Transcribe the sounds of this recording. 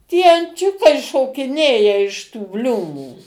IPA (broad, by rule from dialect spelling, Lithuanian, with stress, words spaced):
tʲiɛ ɐnʲˈt͡ʃʲʊkɐɪ ʃoːkʲɪˈnʲeːjɛ ɪʃ tuː ˈbʲlʲuːmuː